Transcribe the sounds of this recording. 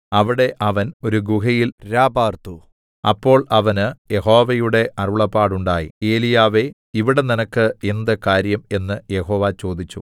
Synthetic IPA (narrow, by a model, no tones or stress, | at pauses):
ɐʋiɽe̞ʔɐʋɐno̞ɾuɡuɦɐjilɾaːbaːrt̪u | ɐ̰pːo̞ːɭɐʋɐnɨje̞ɦo̞ːʋɐjuɽe̞ʔɐruɭɐpːaːɽuɳɖaːjḭe̞ːlijaːʋe̞ | iʋiɽe̞ninɐkːɨe̞nd̪ɐkaːɾjɐme̞nːɨje̞ɦo̞ːʋaːt͡ɕo̞ːd̪it͡ɕːṵ